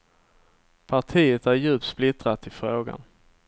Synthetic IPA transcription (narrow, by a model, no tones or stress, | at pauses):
pʰaʈʰiːət̪æɾjʉ̟ːp̚t̪splɪt̪ɾat̪ʰɪfɾoːɡa̰n